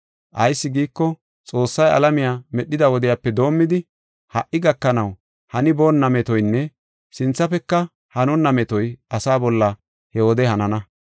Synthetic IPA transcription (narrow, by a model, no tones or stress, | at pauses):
ʔɐjsːɪɡiːkːɔ | t͡sʼo̞ːsːɐjɐ̰lɐmɪjaːmɛɗːɪd̪ɐwɔd̪ɪjaːpːɛd̪o̞ːmːɪd̪ɪ | hɐʔːɪɡɐkːɐnɐw | hɐnɪbo̞ːnːɐmɛt̪ɔjnːɛ | sɪnt͡sːɐpɛkːɐ | hɐnʊnːɐmɛt̪ɔjʔɐsaːbɔlːɐ | hɛhod̪ɛhɐnɐnɐ